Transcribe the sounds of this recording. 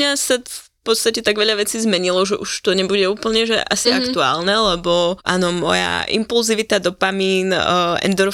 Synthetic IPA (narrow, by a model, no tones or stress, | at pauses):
ɲasafpɔt̪st̪acɛt̪aɡʋɛʎaʋɛt͡siːzmɛɲilɔʒɛʔuʃt̪ɔɲɛbuɟɛuːpl̩ɲɛʒɛ̰ʔa̰siakt̪ua̰ːlnɛlɛbɔʔa̰ːnɔmɔ̰ja̰ʔḭmpulziʋit̪ad̪ɔpamiːnɛ̰nd̪ɔɾ